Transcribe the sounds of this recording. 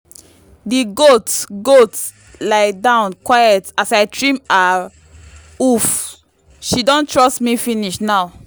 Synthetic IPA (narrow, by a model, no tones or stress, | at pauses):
diɡotɡot | laɪdãʊ̃nkwajɛtasaɪtʰɹĩma | uf | ʃidɔ̃ntʰɹɔstmifĩniʃnaʊ